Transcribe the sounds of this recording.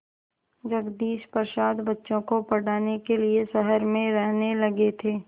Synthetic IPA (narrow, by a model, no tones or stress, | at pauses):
d͡ʒɐɡd̪iːʃpəɾʃaːd̪bɐtːʃõkopɐɽaːnekeliesɛɦəɾmẽɾɛɦnelɐɡet̪ʰeː